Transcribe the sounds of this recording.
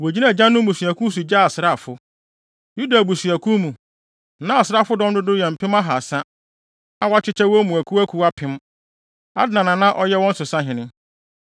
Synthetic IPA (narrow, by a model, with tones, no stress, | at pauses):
wo˨d͡ʑi˦nã˦˨d͡ʑã˦nːʊ̃˦bũ˨sɥæ˨kʰũ˦s̬u˨d͡ʑa˦a˨sɪ˨ɾa˦˨fʊ˦ | ju˦da˨bu˨si˨æ˨kʰũ˦mũ˨ | nã˦a˨sɪ˨ɾa˦˨fʊ˦dɔ̃˦n˦dʊ˦dʊ˦jɛ˨m̩˨pʰɪ̃˦ma˦ɦa˨sã˦ | ã˨wa˦t͡ɕʰɪ˦t͡ɕʰɛ˦wɔ˦mũ˨æ˨kʰu˦æ˦kʰu˦a˦pʰɪ̃˦m | a̰˦dɪ˦nã˨nã˨nã˦ʔɔ˦jɛ˦wɔ̃˦n̩˦sʊ˨sã˦ɦɪ̃˨nɪ̃˦